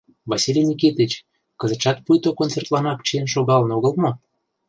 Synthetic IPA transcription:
vɑsilʲjenʲikit̪ət͡ɕ | kə̆zə̆ʃɑt̪̚pujt̪okont͡sert̪lɑnɑk̚t͡ɕiənʃoɣɑlə̆noɣə̆lmo

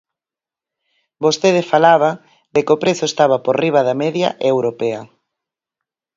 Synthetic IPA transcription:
bost̪eð̞ɪfalaβa | d̪ekopɾeθoest̪aβaporiβ̞aðamɛðja̰ʔewɾopeɐ

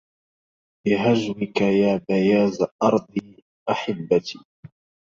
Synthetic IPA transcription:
bɪɦaʒwɪkajaːbajaːzaʔɑɾˤd̪ˤiː | ʔaħɪbːat̪iː

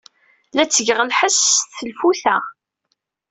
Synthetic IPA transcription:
læt͡sːəʝʁəlħəsθəlfuθæ

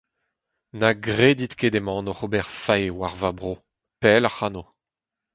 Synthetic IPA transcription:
naɡʁeːd̪it̪ked̪emɑ̃nɔʁobɛʁfajewaʁvabʁoː | pɛlaχano

